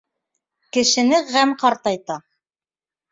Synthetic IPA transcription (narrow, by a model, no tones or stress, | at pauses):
kɘ̆ʃɘ̆nɘʁæmqɑɾt̪ɑjt̪ɑ